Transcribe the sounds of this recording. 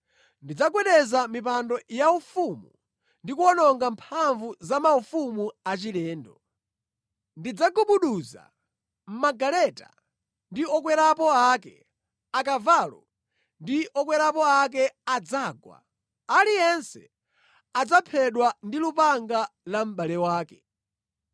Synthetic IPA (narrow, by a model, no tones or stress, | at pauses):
ndid͡zakwɛɗɛzamipandɔjaufumu | ndikuɔnɔŋɡampʰaɱvuzamaufumuat͡ʃilɛːndɔ | ndid͡zaɡuɓuɗuza̰ | m̩maɡalɛta̰ | ndiɔk̬wɛɾapɔakɛ̰ | akavaːlɔ̰ | ndiʔɔkwɛɾapɔak̬ɛad͡zaːɡwa̰ | alijɛnsɛ̰ | ad͡zapʰɛɗwandilupaŋɡalam̩ɓalɛwaːkɛ